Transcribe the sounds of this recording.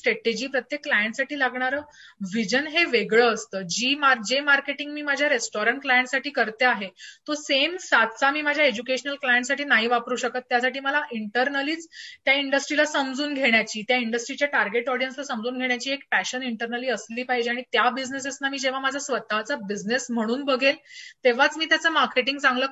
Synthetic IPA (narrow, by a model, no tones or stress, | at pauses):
sʈɾeʈed͡ʑiːpɾət̪jekːlajəɳʈsaʈiːlaɡɳaɾəːʋid͡ʑənɦeʋeɡɭəːst̪əːd͡ʑiːmaɾd͡ʑemaɾkeʈiŋɡmiːmad͡ʑʱjaɾesʈɔɾəɳʈ̚klajəɳʈsaʈiːkəɾt̪eaɦet̪osemsat̪t͡samiːmad͡ʑʱjaed͡ʑukeɕənəlklajəɳʈsaʈiːnaɦiːʋapɾuːɕəkət̪ːjasaʈiːməlaʔiɳʈəɾnəliːt͡st̪jaiɳɖəsʈɾilasəmd͡zuːnɡʱeɽ̃jat͡ɕiːt̪jaiɳɖəsʈɾit͡ɕjaʈaɾɡeʈɔɽijənslasəmd͡zuːnɡʱeɳjat͡ɕiːek̚pæɕəniɳʈəɾnəliːəsliːpajd͡ʑiaɽ̃it̪jabid͡ʑnesesnamiːd͡ʑeʋ̤amad͡zʱasʋət̪at͡sabid͡ʑnesm̤əɽ̃uːnbəɡelt̪eʋ̤at͡smiːt̪jat͡səmaɾkeʈiŋɡt͡sãŋɡləː